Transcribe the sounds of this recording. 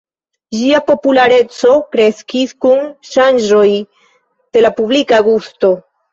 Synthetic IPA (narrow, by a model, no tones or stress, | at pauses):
ʒiapo̞pulaɾe̞t͡so̞kɾe̞skiskunʃanʒo̞j | d̪̥e̞lapublikaɡusto̞